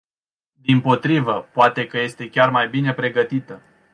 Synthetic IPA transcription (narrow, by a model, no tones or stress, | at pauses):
d̪impo̞t̪ɾivəpoat̪e̞kəje̞st̪e̞kʲarmajbine̞pɾe̞ɡət̪it̪ə